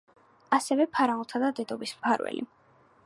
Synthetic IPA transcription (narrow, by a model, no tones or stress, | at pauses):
asɛvɛpʰaɾaulˠt̪ʰad̪ad̪ɛd̪ɔbismpʰaɾwɛ̰lʔḭ